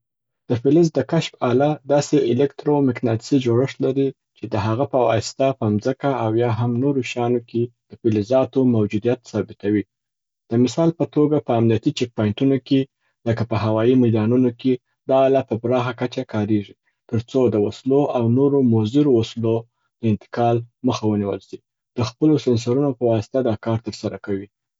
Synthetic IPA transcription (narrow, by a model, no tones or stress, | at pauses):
d̪̥əfɪlɪzd̪əkaʃpɑlad̪ɑseɪlɪkt̪ɾomɪknɑt̪ɪ̥sid͡ʒoɽəʂlaɾi | t͡ʃed̪əɦaɣapəwɑst̪apəamzəkaawjɑɦamnoɾoʃɑnokʰed̪̥əfɪlɪzɑt̪omawd͡ʒud̪ijat̪sɑbɪt̪awi | d̪̥əmɪsɑlpət̪oɡapəːmnijat̪it͡ʃɛk̚pɑjɪɳʈunoke | ləkapəɦawɑjimajd̪ɑnunoke | d̪ɑːlapəbɾɑxakat͡ʃakʰɑɾeʐi | t̪əɾt͡sod̪əwasloʔawnoɾomozɪɾowaslo | d̪̥əɪnt̪ɪ̥kɑlməxawəniwəlʃi | d̪̥əxpəlosɪns̬aɾunopəwɑst̪ad̪ɑkɑɾt̪əɾsaɾakawi